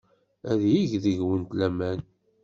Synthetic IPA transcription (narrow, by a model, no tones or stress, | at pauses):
æðjiʝðəʝwənt̪læmæn